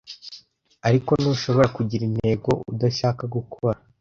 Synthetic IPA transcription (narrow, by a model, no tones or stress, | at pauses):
aɾiko̞nuːʃo̞βo̞akuɟiɾinhe̞ːɡo̞̰udaʃaːkaɡukʰoβɾa